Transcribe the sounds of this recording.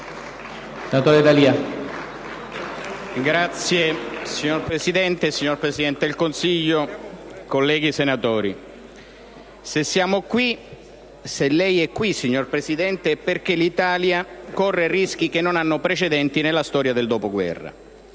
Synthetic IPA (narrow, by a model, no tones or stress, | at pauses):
nat̪ɔɾed̪alia | ɡɾat̪sːjesiɲːorpɾesid̪ɛnt̪esiɲːorpɾesid̪ɛnt̪eilkonsiʎːokolːɛːɡisenat̪ɔːɾi | sesːjaːmokwi | selɛjɛkːwisːiɲːorpɾesid̪ɛnt̪eɛpːerk̟elit̪aːljakɔrːerisk̟ik̟enːonanːʊpɾet͡ʃed̪ɛnt̪inelːast̪ɔːɾjad̪eld̪ɔːpoɡwɛ̰rːa̰